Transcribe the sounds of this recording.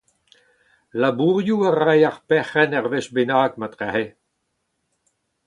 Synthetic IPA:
labuʁjuaʁajaʁpɛχɛnɛʁveʃbenaːkmat̪ʁɛhe

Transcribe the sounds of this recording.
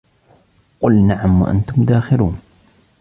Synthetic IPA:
qʊlnaʕamwa̰ʔa̰nt̪ʊmd̪aːxɪɾuːn

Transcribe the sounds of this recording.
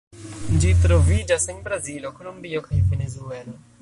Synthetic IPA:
d͡ʒitɾo̞vid͡ʒasenbɾazilo̞kolumbio̞kajve̞nezue̞lo

